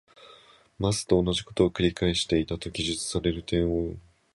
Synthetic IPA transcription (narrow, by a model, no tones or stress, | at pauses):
masɨ̥t̪o̞ːnːaʑiko̞̥t̪o̞ːkɯ̟ɾʲikaeɕi̥t̪e̞it̪at̪o̞ɡʲiʑɨt͡sɨ̥saɾe̞ɾɯ̟t̪ẽ̞ɰ̃o